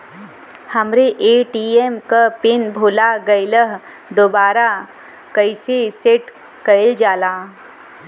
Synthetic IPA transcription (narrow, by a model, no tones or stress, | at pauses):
hɐmɾeʔeːʈiːemkapɪnbʱuːlaɡɐɪləɦ | d̪obaːɾa | kəɪseseʈ | kəɪld͡ʒaːlaː